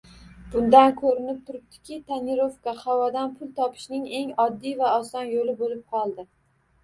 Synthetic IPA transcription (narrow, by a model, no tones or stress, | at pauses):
b̥ʊnd̪ankʰɵɾɪnɪp̚t̪ʰʊɾɪp̚t̪ʰɪ̥kʲɪt̪ʰaniɾofkahawɒd̪anpʰʊlˠt̪ʰɒpʰɪ̥ʃnɪŋe̞ŋɒd̪ːijvaɒsɒnjolɪbolɪp̚qʰɒlˠd̪ɪ